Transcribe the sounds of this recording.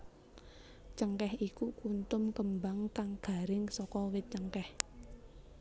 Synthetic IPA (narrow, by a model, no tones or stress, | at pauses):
t͡ʃəŋkɛhikukunt̪ʊmkəmbaŋkaŋɡ̥a̤ɾɪŋsɔkɔwɪt̪̚t͡ʃəŋkɛh